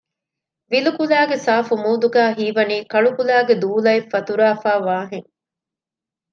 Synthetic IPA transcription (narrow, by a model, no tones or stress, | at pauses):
ʋilukulæːɡesaːfumuːd̪uɡæːɦiːʋɐniːkɐɭukulæːɡed̪uːlɐefːɐt̪uɾaːfaːʋaːɦeŋ